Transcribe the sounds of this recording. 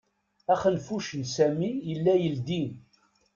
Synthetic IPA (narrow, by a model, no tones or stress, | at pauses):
æχənfuʃənsæmijəlːæjəld̪in